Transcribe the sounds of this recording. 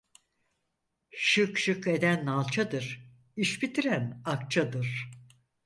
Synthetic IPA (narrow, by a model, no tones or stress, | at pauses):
ʃɯkʃɯke̞d̪ænːalˠt͡ʃʰad̪ɯɾ̥ | iʃbit̪ʰiɾænak̚t͡ʃʰad̪ɯɾ̥